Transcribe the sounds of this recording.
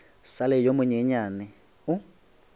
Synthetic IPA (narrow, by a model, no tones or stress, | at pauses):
salɛjomʊɲɛɲanɪ | ʊ